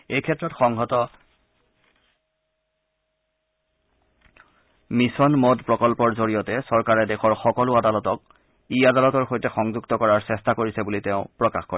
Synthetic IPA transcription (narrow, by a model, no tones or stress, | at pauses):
ejkʰɛtːɹɔtxɔŋɡɔtɔ | misɔnmɔdpɹɔkɔlpɔɹzoɹijɔtɛsɔɹkaɹɛdɛxɔɹxɔkɔlʊadalɔtɔk̚ | iadalɔtɔɹxojtɛxɔŋzuɡtɔkɔɹaɹsɛstakoɹisɛbuliteʊ̃pɹɔkaxkɔɹ